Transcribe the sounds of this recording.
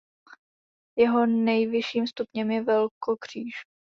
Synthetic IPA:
jɛɦo̞nɛjvɪʃiːmst̪upɲɛmjɛvɛlkokr̝̥iːʃ

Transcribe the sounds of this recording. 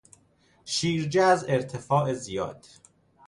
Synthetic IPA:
ʃiːɾd͡ʒeæzeɾt̪ʰefɒːʔezijɒ̰ːd̪̥

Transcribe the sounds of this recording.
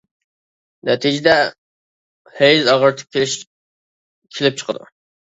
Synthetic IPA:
nɛt̪ʰid͡ʒɪd̪ɛ | hejzɑʁəɾt̪ʰə̥p̚kʲʰʃ | kʲʰelɪp̚t͡ʃʰə̥qʰə̰d̪ṵ

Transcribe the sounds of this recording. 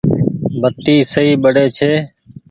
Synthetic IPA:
bət̪iːsəɦiːɓəɽeːt͡ʃʰeː

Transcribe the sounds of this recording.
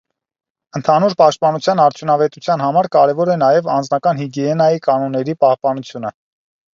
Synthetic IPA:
ənt̪ʰɑnuɾpɑʃt̪̚pɑnut͡sʰjɑnɑɾt͡sʰjunɑvɛt̪ut͡sʰjɑn̪hɑmɑɾkɑɾɛvɔɾɛnɑjɛvɑnd͡znɑkɑnhiɡɛɛnɑjikɑnɔnːɛɾipɑhpɑnut͡sʰjunə

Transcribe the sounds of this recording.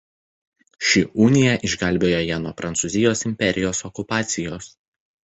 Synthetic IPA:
ʃʲɪʔunʲɪjɛʔɪʒɡɐlʲbʲeːjoːjɛnuɔpɾʔɐnt̪sʊˑzʲɪjoːsɪmʲpʲɛɾʲɪjoːsɔkʊpɑːt̪sʲɪjoːs

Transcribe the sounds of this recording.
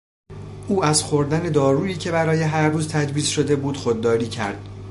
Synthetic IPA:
ʔuːæzxoɾd̪æne̞d̪ɒːɾuːiːcʰe̞bæɾɒːje̞ɦæɾːuːzt̪ʰæd͡ʒbiːzʃo̞d̪e̞buːd̪̥xod̪̚ːɒːɾiːcʰæ̰ɾd̪̥

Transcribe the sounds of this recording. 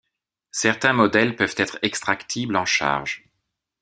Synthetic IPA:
sɛʁt̪ɛ̃mɔd̪ɛlpœv̥t̪ɛt̪χɛkst̪χakt̪ʰiblɑ̃ʃa̰ʁʒ

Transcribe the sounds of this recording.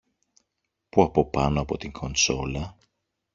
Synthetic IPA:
puɐpo̞pɐno̞ɐpo̞t̪iŋkʰo̞nso̞lɐ

